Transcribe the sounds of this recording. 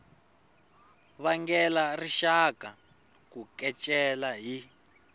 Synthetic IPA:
βaŋɡɛlariʃaka | kukɛt͡ʃʼɛlaɦi

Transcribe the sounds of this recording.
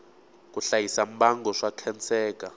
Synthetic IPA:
kuɬajisamɓaŋɡɔʂakʰɛnt͡sʰɛːk̬ʼa

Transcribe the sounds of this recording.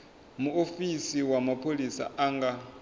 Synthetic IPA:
muofisiwamapʰolisa̰aŋɡa

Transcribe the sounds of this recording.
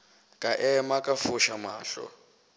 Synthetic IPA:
kʼaʔɛmakʼafuʃamaːɬɔ̰

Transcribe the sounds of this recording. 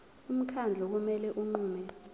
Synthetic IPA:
um̩kʰand͡ɮʱɔk̬umɛlɛʔuŋ͡ǃuːmɛ

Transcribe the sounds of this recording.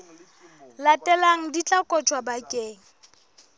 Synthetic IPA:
latʼɛlaŋ̩dit͡ɬʼakʼɔt͡ʃʰwabakʼeːŋ̩

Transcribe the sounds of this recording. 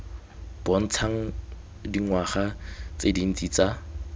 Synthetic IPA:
b̥ɔn̩t͡sʰaŋ̩ | diŋwaχat͡sedin̩t͡sʼit͡sa

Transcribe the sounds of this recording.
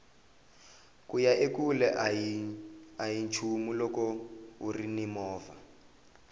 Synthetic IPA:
kujaʔekulɛʔ | ajint͡ʃʰumulɔkɔurinimɔːva

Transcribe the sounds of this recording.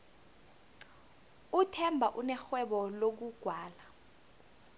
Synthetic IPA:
utʰɛmbʱaʔunɛxwɛɓɔlok̬uɡ̥ʱwaːla

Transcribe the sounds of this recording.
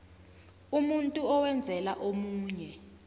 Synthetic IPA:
umuntʼuɔwɛnd͡zʱɛla̰ʔomuːɲɛ

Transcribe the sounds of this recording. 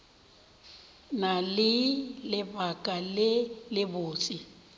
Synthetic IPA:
nalɪlɪbakʼalɪlɪboːt͡sʼi

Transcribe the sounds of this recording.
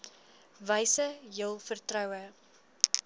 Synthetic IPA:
vəjsəjəlˠfərtrœwə

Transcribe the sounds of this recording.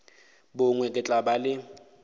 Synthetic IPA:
bʊŋwɛkʼɪt͡ɬʼabalɪ

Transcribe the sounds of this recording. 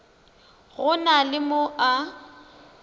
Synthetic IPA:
ɣʊnalɪmoʔa

